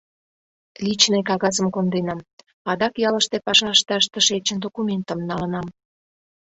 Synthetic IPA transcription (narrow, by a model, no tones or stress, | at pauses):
lʲit͡ɕnekɑɣɑzəmkond̪enɑm | ɑd̪ɑkjɑləʃt̪epɑʃɑʃt̪ɑʃt̪ə̆ʃet͡ɕənd̪okumʲent̪əmnɑlə̆nɑm